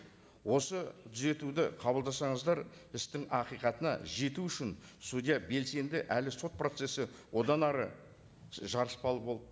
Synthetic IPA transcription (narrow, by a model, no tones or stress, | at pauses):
wo̞sət̪ʰʏze̞t̪ud̪ɪqʰɑbəlˠd̪ɑsɑɴəzd̪ɑɾɪst̪ɪŋɑqijqɑt̪ənɑ̰ʒe̞t̪uʏʃɪnsud̪ʲijɑbe̞lse̞nd̪ɪʔælɪso̞t̪̚pro̞t̪se̞sɪ | wo̞d̪ɑnɑɾə | ʒɑɾəspɑlˠəpo̞lˠd̪ə